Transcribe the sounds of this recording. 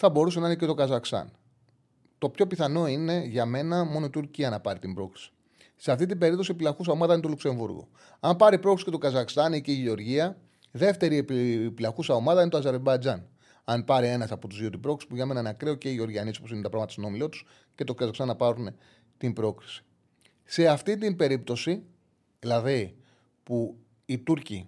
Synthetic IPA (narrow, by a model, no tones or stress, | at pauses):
θɐbo̞ɾus̬enɐinec̬et̪o̞kɐzɐxst̪ɐ̰n | t̪o̞pço̞piθɐno̞ine̞ʝɐme̞nɐmo̞noit̪uɾciɐnɐpɐɾit̪imbɾo̞kɾi̥si̥ | seɐft̪it̪̬imbe̞ɾip̚t̪o̞siepilɐxusɐomɐðɐinet̪olukse̞ɱvuɾɣo̰ | ɐmpɐɾipɾo̞kɾisicet̪oɡɐzɐxst̪ɐniceiʝeo̞ɾʝiɐ | ðe̞ft̪e̞ɾiepilɐxusɐo̞mɐðɐinet̪oɐze̞ɾbɐjd͡zɐn | ɐnpɐɾie̞nɐsɐpot̪uzðiot̪ibɾo̞kɾisi̥puʝenɐmenɐnɐkɾeoce̞io̞ɾʝiɐnispusinunt̪ɐpɾɐɣmɐt̪ɐst̪ono̞milot̪u̥s | ce̞t̪o̞kɐzɐkst̪ɐnːɐpɐɾune | t̪imbɾo̞kɾi̥si̥ | se̞ɐft̪it̪imbe̞ɾip̚t̪o̞si | lɐði | pu | it̪uɾci